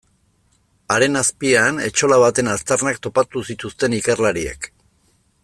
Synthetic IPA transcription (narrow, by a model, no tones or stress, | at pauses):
aɾe̞naspiane̞̰t͡ʃo̞laβ̞at̪e̞nast̪aɾnakt̪o̞pat̪usit̪ust̪e̞nikerlaɾiḛk